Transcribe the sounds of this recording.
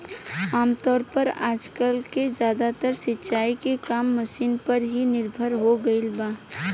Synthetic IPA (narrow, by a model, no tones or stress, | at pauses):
aːmt̪ɔːɾpəɾaːd͡ʒkəlked͡ʒjaːd̪at̪əɾsɪtːʃaːikekaːmːəsiːnpəɾɦinɪɾbʱəɾɦoɡəɪlbaː